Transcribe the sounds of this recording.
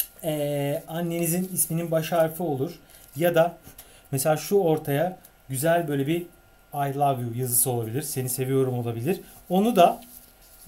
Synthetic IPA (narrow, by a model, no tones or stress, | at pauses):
ɛːanːe̞nizinismininbaʃaɾfɯo̞lˠuɾ̥ | jad̪a | meselʲaːʃuo̞ɾt̪ʰaja | ɟyzælʲbø̞jlʲebi | ajlˠaɡjujazɯsɯo̞lˠabilʲiɾ̥se̞nise̞vijo̞ɾumo̞lˠabilʲiɾ̥ | o̞nud̪a